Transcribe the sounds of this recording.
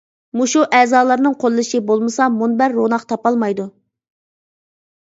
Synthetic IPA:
muʃuʔɛzɑːlˠɑɾnɨŋqʰolˠːɨʃɪbolˠmɨsɑmunbæɾːonɑqt̪ʰɑpɑlˠmɑjd̪u

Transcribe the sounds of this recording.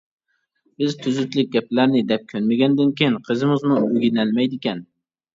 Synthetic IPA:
b̥ɪzt̪ʰyzyt̪lɪk̚ʲɡʲɛp̚læɾnɪd̪ɛp̚kʲʰønmɪɡʲɛnd̪ɪnkʲejinqʰɨzɪmɪzmuøɡʲinælmɛjd̪ɪkʲɛn

